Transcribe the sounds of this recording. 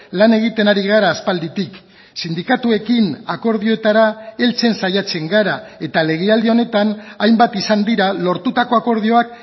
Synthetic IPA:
lane̞ɣ̞it̪e̞naɾiɣ̞aɾaːspald̪it̪ik | sind̪ikat̪ue̞kinako̞ɾðio̞et̪aɾae̞lt͡se̞nsajat͡se̞ŋɡaɾae̞t̪ale̞ɣeald̪eo̞ne̞t̪anajmbat̪isand̪iɾalo̞ɾt̪ut̪ako̞ako̞ɾðio̞ak̚

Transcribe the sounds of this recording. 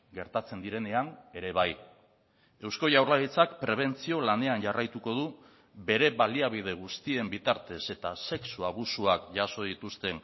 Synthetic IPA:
ɡe̞ɾt̪at͡se̞nd̪iɾe̞ne̞aŋe̞ɾe̞β̞aj | e̞wsko̞ʝawɾlaɣit͡sakpɾe̞β̞e̞nt͡sio̞lane̞anʝarajt̪uko̞ð̞u | be̞ɾe̞βaliaβ̞ið̞e̞ɣ̞ust̪ie̞mbit̪aɾt̪e̞se̞t̪ase̞ksuaβ̞usuakʝaso̞ðit̪ust̪e̞n

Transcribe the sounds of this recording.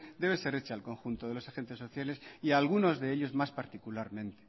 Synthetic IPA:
d̪e̞β̞ese̞ɾet͡ʃaalko̞ŋxunt̪o̞ðe̞lo̞saxe̞nt̪e̞sːo̞θjale̞siaːlɣ̞uno̞zðe̞eʎo̞zmaspaɾt̪ikulaɾmẽ̞nt̪e̥

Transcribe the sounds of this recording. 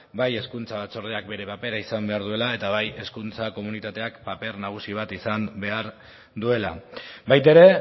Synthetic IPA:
baje̞skunt͡saβat͡so̞ɾð̞eak̚be̞ɾe̞pape̞ɾaisambe̞aɾðue̞lae̞t̪aβaje̞skunt͡sako̞munit̪at̪e̞akpape̞rnaɣ̞usiβ̞at̪isambe̞aɾ | d̪ue̞la̰bajt̪eɾe̞

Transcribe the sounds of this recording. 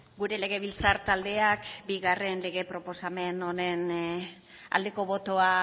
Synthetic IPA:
ɡuɾe̞le̞ɣ̞e̞βilt͡saɾt̪ald̪e̞akbiɣare̞nle̞ɣ̞e̞pɾo̞po̞same̞no̞ne̞n | a̰ld̪e̞ko̞βo̞t̪o̞a

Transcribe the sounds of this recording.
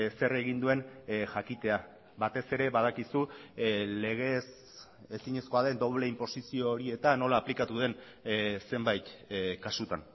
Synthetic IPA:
se̞re̞ɣ̞ind̪ue̞nʝakit̪e̞a | bat̪e̞se̞ɾe̞βað̞akisu | le̞ɣ̞e̞s | esiɲe̞sko̞aðe̞nd̪o̞βle̞impo̞sisio̞ːɾie̞t̪ano̞laːplikat̪uðe̞n | se̞mbajt̪kasut̪a̰n

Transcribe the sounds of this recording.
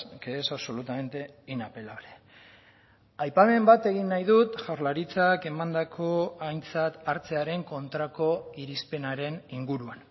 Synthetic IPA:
keːsaβso̞lut̪ame̞nt̪e̞inape̞laβɾe | ajpame̞mbat̪e̞ɣ̞inːajðut̪ʝawɾlaɾit͡sake̞mand̪akʰo̞ajnt͡sat̪aɾt͡se̞aɾe̞ŋko̞nt̪ɾako̞iɾispe̞naɾe̞niŋɡuɾuan

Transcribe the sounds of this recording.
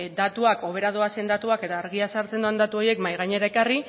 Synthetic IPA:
d̪at̪uako̞β̞e̞ɾað̞oase̞nd̪at̪uake̞t̪aːɾɣiasaɾt͡send̪oand̪at̪uo̞je̞kmajɣ̞aɲe̞ɾaekari

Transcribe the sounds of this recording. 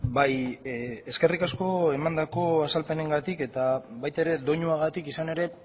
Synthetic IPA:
baj | e̞ske̞rikasko̞e̞mand̪ako̞asalpe̞ne̞ŋɡat̪ike̞t̪aβajt̪aeɾe̞d̪o̞ɲuaɣ̞at̪ikisane̞ɾe̞

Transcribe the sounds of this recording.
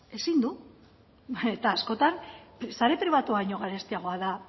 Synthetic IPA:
e̞sind̪u | et̪aːsko̞t̪ansaɾe̞pɾiβat̪uaiɲo̞ɣaɾest̪iaɣ̞o̞aða

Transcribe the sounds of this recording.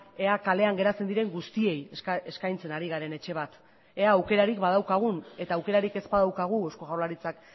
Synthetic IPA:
e̞akale̞aŋɡe̞ɾat͡se̞nd̪iɾe̞ŋɡust̪ie̞jeskajnt͡se̞naɾiɣaɾe̞ne̞t͡ʃe̞β̞at̪ | eaːwke̞ɾaɾikbað̞awkaɣ̞une̞t̪aːwke̞ɾaɾike̞zbaðawkaɣ̞uosko̞ɣawlaɾit͡sak

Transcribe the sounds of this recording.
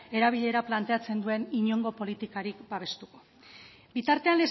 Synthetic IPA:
e̞ɾaβ̞iʎe̞ɾaplant̪e̞at͡se̞nd̪ue̞niɲo̞ŋɡo̞po̞lit̪ikaɾikbaβ̞e̞st̪uko̞̥ | bit̪aɾt̪e̞anle

